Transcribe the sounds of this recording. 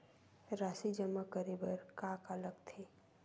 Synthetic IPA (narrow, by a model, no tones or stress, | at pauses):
ɾaːsid͡ʒəməkəɾibəɾkaːkələɡt̪ʰeː